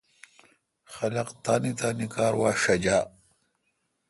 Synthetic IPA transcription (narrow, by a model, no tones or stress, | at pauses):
xɐlɐqt̪aːnit̪aːnikaːɾwaːʂɐd͡ʑaː